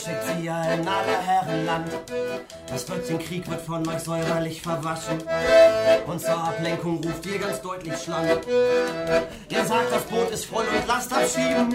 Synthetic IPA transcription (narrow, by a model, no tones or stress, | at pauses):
ʃɛk̚tz̥iaɪnːaːdɐɦɛʁənlant | d̥asb̥lœt͡sɪçn̩kʁ̥iːkv̥ɪɐtfɔnmaɪçz̥ɔʏbɐlɪçfɛɐvaʃn̩ | ʔʊntz̥oaplɛŋkʊŋʁuːftiːɐɡant͡sd̥ɔʏtlɪçʃlaŋ | ʔeːɐzaːk̚t̚d̥asb̥oːtɪstfʁ̥ɔʏdəʊntlastapʃiːbn̩